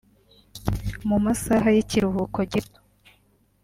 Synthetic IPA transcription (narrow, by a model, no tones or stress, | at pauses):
mumasaɦajiciɾuɦukoɟito̥